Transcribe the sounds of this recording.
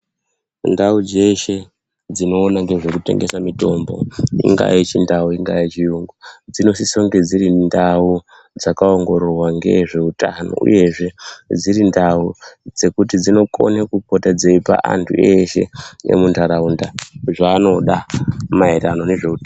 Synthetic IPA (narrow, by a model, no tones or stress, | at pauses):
ndaud͡ze̞ʃe̞ | d͡zino̞ːnaŋɡe̞ʐe̞kute̞̰ŋɡesamito̞mbo̞̰ḭŋɡa̰it͡ʃindauiŋɡait͡ʃijuŋɡod͡zino̞sisoŋɡe̞d͡ziɾindau | d͡zakaoŋɡo̞ɾorwaŋɡe̞̰ʐe̞utano̰ṵje̞ʐe̞d͡ziɾindaud͡ze̞kutid͡zino̞ko̞̰nekukotad͡zeipa̰ʔa̰ntʰṵe̞ʃe̞̰ḛmuntʰaɾaundaʐaːno̞ɗamaeɾanone̞ʐe̞uta